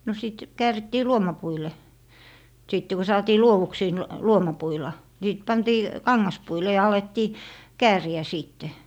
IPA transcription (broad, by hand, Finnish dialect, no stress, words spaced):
no siˑt kæːritːiː luomɑpuile siˑtːe ko sɑːtiː luowuksiː n luomɑpuilɑ ni sit pɑntiː kɑŋːɑspuile jɑ ɑletːiː kæːriæ siˑtːe